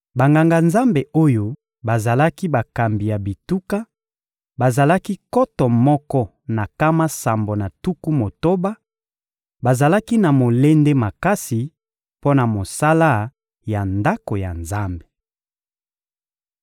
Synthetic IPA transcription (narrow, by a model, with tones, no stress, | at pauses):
ba˨ŋɡa˨ŋɡa˨nza˦mbe˨o˦jo˦ | ba˨za˨la˦ki˦ba˨ka˨mbi˨ja˨bi˨tu˦ka˦ | ba˨za˨la˦ki˦kɔ˦tɔ˨mɔ˦kɔ˦ | na˨ka˦ma˦sa˨mbo˨na˨tu˦ku˦mo˨to˦ba˦ | ba˨za˨la˦ki˦na˨mo˨le˦nde˦ma˨ka˦si˨ | po˦na˨mo˨sa˦la˦ | ja˨nda˦ko˨ja̰˨nza˦mbe˨